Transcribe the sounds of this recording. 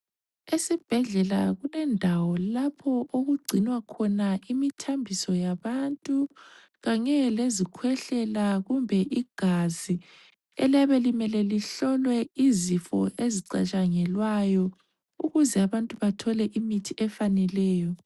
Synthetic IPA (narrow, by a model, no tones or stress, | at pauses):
esib̥ʱɛɮɛlaɣulɛndʱawɔlapʰɔʔoɣuɡ͡ǀʱinwakʰɔnaimitʰambʱisɔjaβantʼu | ɣaɲɛlezikʰwɛɬɛlaɣumbʱɛʔiɡ̥ʱazi | ɛ̰laβɛlimɛlɛliɬɔlwɛizifɔʔeziǀa̰t͡ʃʼaŋɛlwajɔ | uɣuzɛaβantʼuβatʰɔlɛʔimitʰiɛfanɛlɛːjɔ